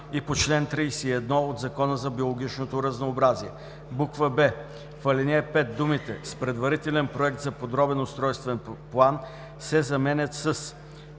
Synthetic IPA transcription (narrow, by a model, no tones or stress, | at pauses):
ipot͡ʃlɛnt̪ɾijsiɛd̪nɔod̪zɐkɔnəzɐbiolˠoɡʲit͡ʃnot̪oɾɐznoːbɾaziɛ | bukvəbɛ | fɐlinʲɛpɛt̪̚d̪umit̪ɛ̰spɾɛd̪vɐɾit̪ɛlɛnpɾoɛk̚t̪zɐpod̪ɾɔbɛnʊst̪ɾɔjst̪vɛnplˠan | sɛzɐmɛnʲət̪səs